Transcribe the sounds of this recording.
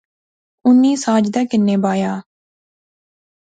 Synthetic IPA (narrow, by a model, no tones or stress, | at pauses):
ʊnːiːsaːd͡ʒd̪ɛːkɪnːeːbaːjaː